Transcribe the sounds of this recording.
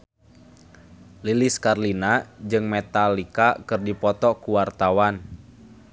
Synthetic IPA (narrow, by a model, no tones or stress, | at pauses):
liliskarlinad͡ʒɨŋmɛt̪alikakɨrdipɔt̪ɔkuwart̪awan